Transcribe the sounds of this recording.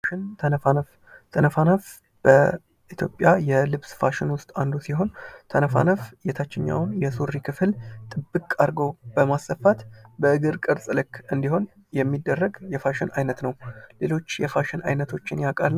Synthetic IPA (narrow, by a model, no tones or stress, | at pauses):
ʃɪnt̪ʰənəfanəf | t̪ʰənəfanəf | b̥ə | ʔit̪ʰjo̞̰pʼjajɛlɨβsfaʃɪnwʊst̪ʼand̪usiho̞nt̪ʰənəfa̰nəfjɛt̪ʰat͡ʃːɪɲːa̰wnjɛsuɾːikʰɨfɨlt̪ʼɨbːɨkʼːaɾɡo̞bəmasəfat̪bəɨɡɨɾkʼɨɾsʼɨlɨkːɨnd̪iho̞n | jɛmːid̪ːərːəɡjɛfaʃɪnʔajnət̪nəwle̞lo̞t͡ʃːjɛfaʃɪna̰jnət̪ʰo̞t͡ʃːɪnjakʼal